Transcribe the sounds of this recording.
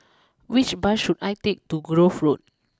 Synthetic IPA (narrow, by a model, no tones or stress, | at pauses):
wit͡ʃbaʃudajtek̚tuɡɹofɹot̚